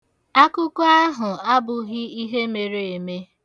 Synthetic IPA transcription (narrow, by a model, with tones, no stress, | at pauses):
a˦kʊ˦kʊ˦a˦ɦʊ˨a˦bʊ˨ɣɪ˦i˦ɦe˦me˨ɾe˨e˨me˦